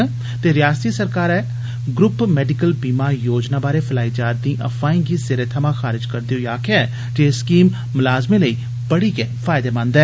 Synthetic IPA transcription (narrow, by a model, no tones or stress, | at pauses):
t̪eːɾɪjaːst̪iːsəɾkaːɾɛː | ɡɾʊpmɛːɖɪkəlbiːmaːjoːd͡ʒnaːbaːɾeːpʰəlaːiːd͡ʒaːɾd̪ĩːʔə̰fʰaːĩːɡiːseɾeːt̪ʰəmãːxaːɾɪd͡ʒkəɾd̪eɦoːaːkʰeɛː | d͡ʒeskiːmːʊlaːzmẽːləiː | pəɽiːkeːpʰaːɪd̪eːmãːnd̪ɛː